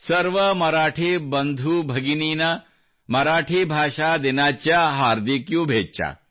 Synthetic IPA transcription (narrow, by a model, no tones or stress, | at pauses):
sɐɾʋɐmɐɾaːʈʰibɐnd̪ʱubʱɐɡiniːnɐ | mɐɾaːʈʰibʱaːʃaːd̪inaːt͡ʃjaɦaːɾd̪ikjubʱeːt͡ʃa̰ː